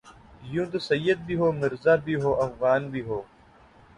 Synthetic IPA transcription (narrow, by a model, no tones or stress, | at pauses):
jũːd̪əsɐjːəd̪̚biːɦoːmɪɾzaːbiːɦoːʔɐfɣaːnbiːɦoː